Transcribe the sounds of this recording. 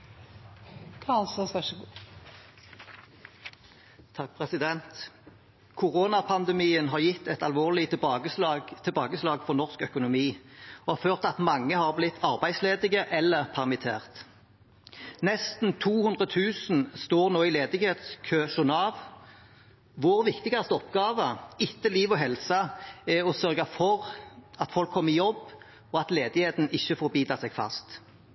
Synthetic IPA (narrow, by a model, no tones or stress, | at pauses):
kʰɑɑlsɔsʋæʃɡ | t̪ʰɑk̚pʰʁɛsɪd̪ɛnt̪ | kʰʊʁoːnɑpʰɑnd̪ɛmiːənɦɑːʁjɪt̪ːɛt̪ɑlʋoːʁlɪɡət̪ʰɪlbɑːɡəslɑːɡfɔʁnɔʁskœkʊnʊmiːoːhɑːʁføːʁt̪ɑt̪mɑŋːəhɑːʁblɪt̪ʰːɑʁbæɪsleːd̪ɪɡəʔɛlːəʁpʰæʁmɪt̪ʰḛːʁt̪ | nɛst̪n̩t̪ʰuːhʉnd̪ʁət̪ʰʉːsnst̪oːʁnoːɪleːd̪ɪɡheːt̪skʰøːʃʊʁnɑːʋ | ʋʊʁʋɪkt̪ɪɡɑst̪ɔpɡɑːʋəɪt̪ːəliːʋɔɦɛlsɑɛɔsœʁɡɑfɔʁɑt̪fɔlkʰːɔmːəɪjɔbː | ɔɑt̪leːd̪ɪheːt̪n̩ɪçːəfoːɾbiːd̪ɑsɛɡ̥fɑ̰st̪